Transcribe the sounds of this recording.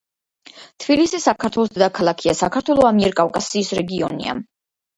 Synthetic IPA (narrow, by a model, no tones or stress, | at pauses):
t̪ʰbilisisakʰaɾt̪ʰwɛlˠɔsd̪ɛd̪akʰalˠakʰiasakʰaɾt̪ʰwɛlˠɔamiɛɾkʼafkʼasiːsɾɛɡiɔ̰nḭa̰